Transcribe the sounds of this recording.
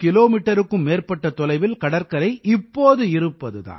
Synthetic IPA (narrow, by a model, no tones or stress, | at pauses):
kɪloːmiːʈːɐɾɯkːɯmːeːrpɐʈːɐt̪ɔlɐɪʋɪlkɐɽɐɾkɐɾɐɪʔɪpːoːðɯɪɾɯpːɐðɯða̰ːn